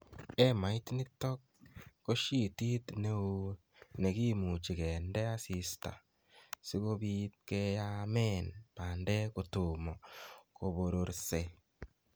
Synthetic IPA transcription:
ɛ˦ma˨i˦tnɪ˦tɔ˦kː | o˦ʃi˦ti˦tne˦o˦ | ne˨ki˦mu˨t͡ʃi˨kɛ˨ndɛ˦a˦si˨sta̰˨ | si˦ko˦bi˦t̚kɛ˦ja˦mɛ˦˨npa˨ndɛ˦ko˨tʊ˨mɔ˨ko˨bo˨ɾo˨ɾse˨

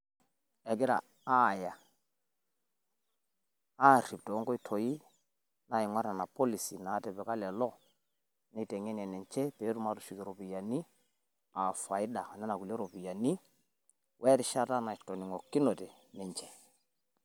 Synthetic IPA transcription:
ɛ˨ɡɪ˦ɾa̰˨ | a˦˨ja˨ | a˦˨ri˨p̚tɔ˨ɔ˦ŋɡɔ˦i˦tʰo˨ji˦ | na˨ɪ˨ŋwa˦ɾa˨na˨po˦li˨si˨na˨˦tɛ˨pɛ˨ka˦lɛ˨lɔ˦ | ni˦tɛ˨ŋɛ˦n˨ɛ˨nɛ˨ɲt͡ʃɛ˦pɛ˨˦tu˦ma˦tu˨ʃu˨ki˨ɾo˨bi˨ja˨ni˦ | a˨fa˨ɪ˦da˨nɛ˦na˨ku˨lɛ˦ɾo˨pi˨ja˨ni˦ | wʔɛ˦ɾɪ˦ʃa˦ta˦na˨itɔ˨ni˨ŋɔ˨kːi˦no˨tɛ˨ | nɛ˨ɲt͡ʃɛ̥˦

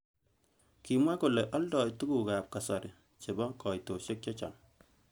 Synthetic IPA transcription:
ki˨mwa˦kʊ˨lɛ˨ʔɔ˦ldɔ˨jtu˦ɡu˨ka˨p̚ka˨sɔ˨ɾɪ˨ | t͡ʃe˨bɔ˦kɔ˨jto˨ʃe˦k̚t͡ʃɔ˦t͡ʃɔ̰˨n

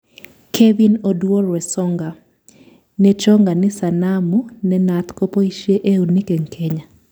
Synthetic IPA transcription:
kʰevi˦nodwo˦ɾwɛ˨sɔ˦ŋɡa˨ | nɛt͡ʃɔ˦ŋɡa˨nɪ˦sanamunɛnat̪kopo˦iʃeʔe˦u˨nɪ˦ke˨ŋkʰe˦ɲa˨

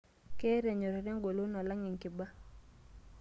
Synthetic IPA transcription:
ke˦ɾɛ˨ɲo˨ɾa˨ɾa˦ŋɡo˨lo˦nɔ˨la˦ŋɪ˨ŋkɪ˨ba˦

